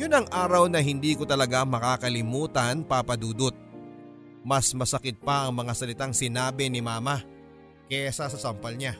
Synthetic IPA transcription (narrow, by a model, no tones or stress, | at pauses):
jʊnɐŋʔaːɾɐwnɐɦɪnd̪iːkot̪ɐlɐɡamɐkaːkɐlɪmuːt̪ɐnpaːpɐd̪uːd̪ot̪̚ | mɐsmɐsɐkɪt̪̚pɐʔɐŋmɐŋasɐlɪt̪aŋsɪnaːbɛnɪmaːmɐ | kɛsɐsɐsɐmpɐlɲa